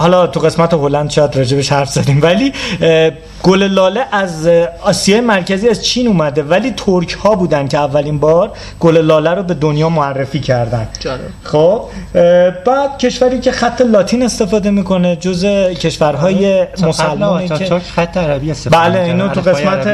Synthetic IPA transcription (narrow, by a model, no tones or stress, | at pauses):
hɒlɒːt̪ʰuɣe̞smæt̪ʰeɦolænd̪ʃɒjæd̪ɾɒːd͡ʒe̞beʃhæɾfz̥ɒd̪iːmvæliː | ɡ̥ole̞lɒːleʔæzɒːsijɒːjemæɾcʰæziːæzt͡ʃʰiːnuːmæd̪e̞væliːt̪ʰoɾcʰhɒːbuːd̪ænd̪̥̚cʰeævːælinbɒːɾ | ɡ̥olelɒːlæɾobe̞d̪onjɒːmoærːefiːcʰæɾd̪ænd̪ | xob̥ | bæːd̪̥̚cʰe̞ʃvæɾiːcʰexæt̪ʰːe̞lɒːt̪ʰiːne̞st̪e̞fɒːd̪e̞miːkʰo̞ned͡ʒozecʰe̞ʃvæɾɦɒːje̞mosælːmɔːeæt̪ʰːeæɾæbiesebæleinouɣesmæt̪e